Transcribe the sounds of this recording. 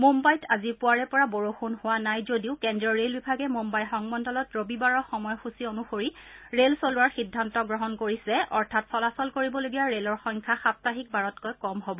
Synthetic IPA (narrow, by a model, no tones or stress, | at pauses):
mombajtazipʊaɹɛpɔɹaboɹoxunhʊwanajzodiʊkɛndɹɔɹelbibʱaɡɛmombajxɔŋmɔndɔlɔtɹobibaɹɔxɔmɔjɔxusionuxoɹiɹelsolʊwaɹxidʱːantɔɡɹɔɦɔnkoɹisɛʔɔɹtʰatsɔlasɔlkoɹibɔloɡijaɹelɔɹxɔŋkʰaxap̚taɦik̚baɹɔtkojkɔmɦobɔ